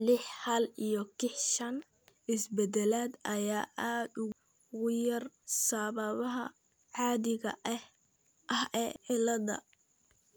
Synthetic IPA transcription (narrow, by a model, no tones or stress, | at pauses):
lɪħhɐlijɔkʰɪħʃɐn | ʔɪsbɛd̪ɛlaːd̪ɐjaːʔaːd̪ʊ | ɣʊjɐrsaːβɐβɐɦɐ̰ | ʕɑːðɪɣɐ̰ʔɐh | ʔɐhɛːʕɪlɐðɐ̰